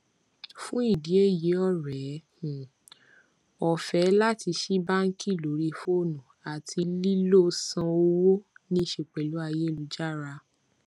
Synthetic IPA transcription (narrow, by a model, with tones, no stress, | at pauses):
fũ˦i˦˨di˨˦e˦˨je˨˦ɔ˦˨ɾɛ˨˦˨ | ɔ˨fɛ˨˦la˦ti˧ʃi˦ba˦ŋ̩˦ki˦˨lo˨˦ɾi˧fo˦o˦˨nũ˨a˨tʰi˧li˦lo˦sã˧o˧wo˦nĩ˦ʃe˧˨k͡pɛ˨lu˨˦a˧je˦˨lu˧˦d͡ʒa˦˨ɾa˧